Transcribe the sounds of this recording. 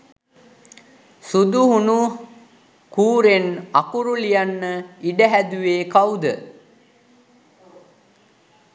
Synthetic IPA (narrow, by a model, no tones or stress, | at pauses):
sud̪uɦunu | kuːɾenakuɾulijanːəiɖəɦæd̪uʋeːkawd̪ə